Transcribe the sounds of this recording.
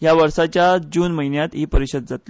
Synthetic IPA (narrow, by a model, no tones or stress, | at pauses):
ɦjaʋəɾsat͡ɕjad͡ʑuːnməɦinjat̪ipəɾiɕəd̪̚d͡zat̪li